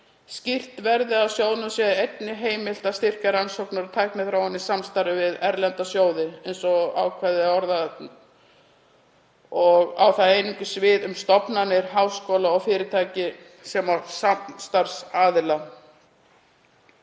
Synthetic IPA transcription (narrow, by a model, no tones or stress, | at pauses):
scir̥t̪vɛɾðɪawsjoːwðnʏmsjɛðejt̪nɪɦeːjmɪl̥t̪ast̪ɪr̥kaɾansowknaɾt̪ʰaːjkmɛðθɾaːwanːisamst̪aɾɪvɪðɛɾlɛnt̪asjoːwðɪejnsɔa̰wkʰvɛðɪɔɾða | ɔɣa̰wθaejniŋkʏsvɪːðʏmst̪ɔpnanːɪɾ̥ɦaːwskoːlaɔɣfɪːɾɪt̪ʰaːjcɪ | sɛmasast̪aɾ̥saːðɪla